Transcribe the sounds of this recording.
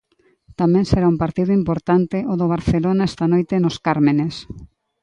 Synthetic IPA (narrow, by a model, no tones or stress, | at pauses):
t̪amẽnseɾaumpaɾt̪iðʊimpoɾt̪ant̪eʔoðoβ̞aɾθelonaɛst̪anojt̪enoskaɾmenes